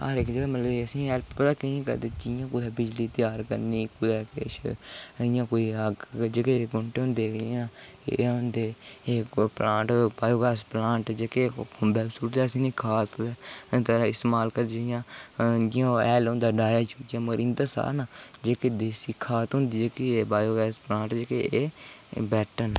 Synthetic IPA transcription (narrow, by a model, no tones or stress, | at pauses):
a̰ːɾekd͡ʒeɡmət̪ləbeəsĩːɛːlppət̪aːkəĩkə̰ɾd̪eːd͡ʒɪjãːkʊd̪ɛːbɪd͡ʒliːt̪ɪjaːɾkə̰ɾniːkʊd̪ɛːkɪ̰ʃɪjãːkoːiːəɡd͡ʒeːkeɡʊɳʈeːɦʊ̃nd̪eːãːeɦʊ̃nd̪eːeːplãːʈbaːjoːɡɛːsplãːʈd͡ʒeːkebɛːbsuːd̪ɛːsinĩːkʰaːt̪ːt̪əɾãɪst̪ːmaːlkəɾd͡ʒeɪjãːd͡ʒɪãːɛːlɦʊ̃nd̪aːɖaːjaːt͡ʃukiãːməɾiːnd̪aːsa̰ːnad͡ʒeːked̪eːsiːkʰaːt̪ɦʊ̃nd̪iːd͡ʒeːkeeːbaːjoːɡɛːsplãːɳʈd͡ʒeːkeeːbɛːʈən